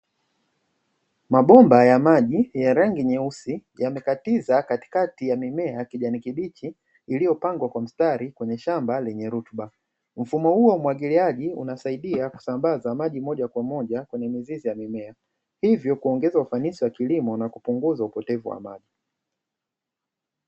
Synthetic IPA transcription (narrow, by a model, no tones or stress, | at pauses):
maɓɔmbajamaʄijaɾaŋɡiɲɛusijamɛkatizakati̥katijamimɛakiʄanikiɓit͡ʃiː | lijɔpaŋɡwakwam̩staɾikwɛɲɛʃambalɛɲɛɾutɓa | m̩fumɔhuɔmwaɠiliaʄiṵnasaiɗiaku̥sambazamaʄimɔʄakwamɔʄakwɛɲɛmizizijamimɛa | hivjɔkuɔŋɡɛzaufanisiwakilimɔnakupuŋɡuzaupɔtɛvuwa̰ma̰ʄi